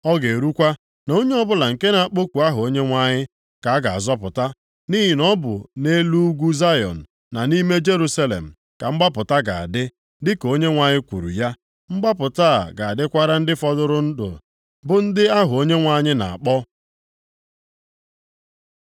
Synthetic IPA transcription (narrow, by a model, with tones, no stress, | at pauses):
ɔ˦ɡe˨ɾu˦kʷa˦ | no˦ɲe˦ɔ˦bʊ˦la˨ŋ̩˨ke˦na˨a˨k͡po˦kʷu˨a˦ɦʊ˨o˦ɲe˦ŋʷa˦ɲɪ˦ | ka˨a˦ɡa˨a̰˨zɔ˦pʊ˨ta˦ | ni˦ɦɪ˨nɔ˦bʊ̰˨ne˦lu˦ɡʷu˦za˦jɔ̰˨n̩˨ | na˨ni˦me˦d͡ʒe˦ɾu˦sa˦lḛ˨m̩˨ | ka˨m̩˦ɡ͡ba˦pʊ˨ta˦ɡa˨a̰˨dɪ˦ | dɪ˦ko˦ɲe˦ŋʷa˦ɲɪ˦kʷṵ˨ɾṵ˨ja˦ | m̩˦ɡ͡ba˦pʊ˨ta˦a̰˨ɡa˨a˨dɪ˦kʷa˦ɾa˦n̩˦dɪ˦fɔ˦dʊ˦ɾʊ˦n̩˦dʊ̰˨ | bʊ˦n̩˦dɪ˦a˦ɦʊ˨o˦ɲe˦ŋʷa˦ɲɪ˦na̰˨a̰˨k͡pɔ˦